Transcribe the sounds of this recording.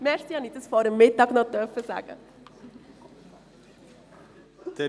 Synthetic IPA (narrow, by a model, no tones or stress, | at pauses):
mɛstiɑnidəsfɔːɾəmːɪtɑɡnɔd̥œɾfəza̰ːɡ̥ə̰